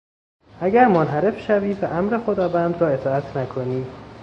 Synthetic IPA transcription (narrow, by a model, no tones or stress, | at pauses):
ʔæɟæɾmonɦæɾe̞fʃæviːvæʔæmɾe̞xod̪ɒːvænd̪ɾɒːe̞t̪ʰɒːæt̪ʰnækʰoniː